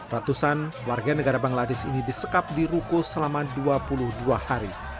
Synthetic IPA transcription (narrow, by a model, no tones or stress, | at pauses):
rat̪usanwarɡanəɡaɾabaŋladɪsḭnidisəkap̚diɾukusəlamaduapulʊhduahaɾi